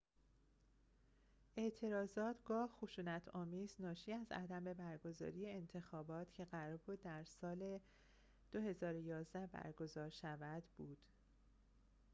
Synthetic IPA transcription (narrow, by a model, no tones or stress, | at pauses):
ʔe̞ʔt̪ʰe̞ɾɒːzɒːt̪ʰɡɒːhxoʃuːnæt̪ʰɒːmiːznɒːʃiːæzæ̰d̪æme̞bæɾɡo̞zɒ̰ːɾije̞ːnt̪ʰe̞xɒːbɒːt̪ʰcʰe̞ɣæɾɒːɾbuːd̪ːæɾsɒːle | d̪̥o̞he̞zɒːɾojɒːzd̪æhbæ̰ɾɡo̞zɒːɾʃævæd̪buːd̪̥